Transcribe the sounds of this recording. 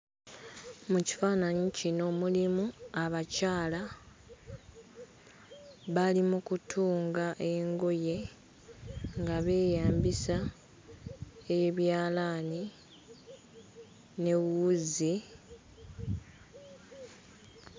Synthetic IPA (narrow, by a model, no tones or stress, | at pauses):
muci̥faːnaɲicino̞mulimuaβacaːla | βalimukutʰuːŋɡaʔe̞ŋɡo̞je̞ | ŋɡaβe̞ːjaːmbisa | eβjaːlaːni | ne̞wuzi